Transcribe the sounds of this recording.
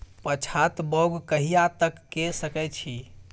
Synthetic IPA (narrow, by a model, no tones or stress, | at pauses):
pət͡ʃʰat̪bɔwɡkəɦijat̪əkːesəkɛt͡ʃʰi